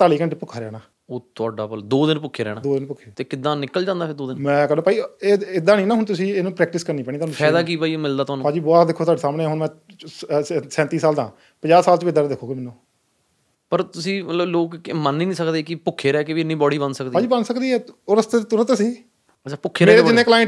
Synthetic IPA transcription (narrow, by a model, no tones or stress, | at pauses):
t̪aːliːkəɳʈeːpʊkʰːaːɾɛ̰ːɽaː | oːt̪ʊaːɖaːpəld̪oːd̪ɪnpʊkʰːeːɾɛ̰ːɽ̃aːd̪oːd̪ɪnpʊkʰːeːt̪eːkɪd̪ãːnɪkːəld͡ʒãːnd̪aːɪɾd̪oːd̪ɪnmɛ̃ːkəɾd̪oːpaːieːɪd̪aːnĩːnãːɦʊnt̪̬ʊsĩːenũːpɾɛːk̚ʈɪskəɾniːpɛːɽiːt̪oaːnũːɛːd̪aːk̬iːpaːiːmɪld̪aːt̪ʊɦaːnũːpãːd͡ʒiːboaːd̪ɪkʰːoːt̪aːɖeːsaːmnẽːɦʊnmɛ̃ː | sɛ̃ːnt̪iːsaːld̪ã̰ː | pəd͡ʒaːsaːlt͡ʃəʋiːd̪aːɾad̪ɪkʰːoːɡeːmɛːnːũː | pəɾt̪ʊsĩːmət̪ləbloːkmənːiːnĩːsəkd̪eːkɪpʊkʰːeːɾɛːkɪʋiɪnːĩːbɔːɽiːbənsəkd̪iːãːd͡ʒiːbənsəkd̪iːɛːoːɾəst̪eːt̪ʊɾət̪əsĩː | ət͡ʃʰaːpʊkʰːeːɾɛeːɾeːɪnːeːklaːɪɳ